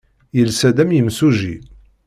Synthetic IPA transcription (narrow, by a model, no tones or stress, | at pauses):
jəlsæd̪æmjəmsuʒḭ